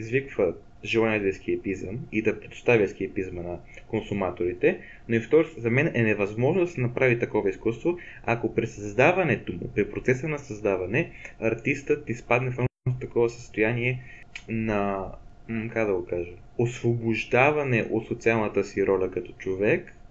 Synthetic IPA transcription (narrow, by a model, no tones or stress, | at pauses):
izvikvə | ʒɛlˠanɛd̪ɛsk̟iɐpizə̰mid̪ɐpɾɛd̪ʊ̥st̪avʲjəskiəpizmənɐ | konsumat̪oɾit̪ɛ | noift̪ɔɾszɐmɛnɛnɛvɐzmɔʒnod̪ɐsɛnɐpɾavit̪ɐkɔvɐiskust̪voakopɾisɐzd̪avɐnɛt̪omʊ̰pɾipɾot̪sɛsənɐsɐzd̪avɐnɛɐɾt̪ist̪ət̪nispad̪nɛfat̪t̪ɐkɔvɐsəst̪ojaniɛnɐ | kakd̪ɐɡokaʒə | osvobʊʒd̪avɐnɛʔot̪sot̪sialˠnət̪əsiɾɔlʲɐkɐt̪ɔ̥t͡ʃovɛk